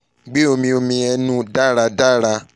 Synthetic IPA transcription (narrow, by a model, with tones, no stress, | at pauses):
ɡ͡be˦o˧mĩ˧o˧mĩ˧ɛ˧nũ˧da˦˨ɾa˧da˦˨ɾa˧